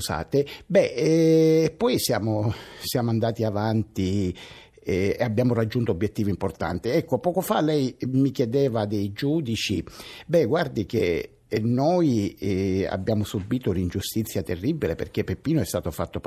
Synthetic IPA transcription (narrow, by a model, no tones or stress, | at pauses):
sa̰ːt̪ebɛɛpːɔjsjaːmosjaːmoand̪aːt̪iavant̪i | eabːjaːmorad͡ʒːunt̪oobːjet̪ːiːvoimport̪a̰nt̪iɛkːopɔːkofalɛjmikjɛd̪ɛːvad̪ejd͡ʒuːd̪it͡ʃḭbɛɡward̪ik̟e | noj | a̰bːjaːmosubiːt̪onind͡ʒust̪it̪sːjat̪erːibːilepḛrkepːepːiːnoɛst̪aːt̪ofat̪ːop